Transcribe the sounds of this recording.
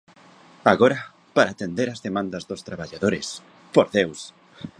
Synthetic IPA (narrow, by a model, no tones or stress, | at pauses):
aɣoɾɐ | paɾaːt̪end̪eɾazðemãnd̪ɐzðost̪ɾaβaʎaðoɾes | poɾðews